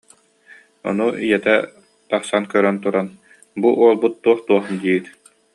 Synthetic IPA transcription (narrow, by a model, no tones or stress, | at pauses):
ɔ̰nuʔijɛt̪ɛ | t̪ɑχsankœɾœnt̪uɾan | buʔuɔlˠbut̪̚ːuɔχt̪uɔχd̪iːit̪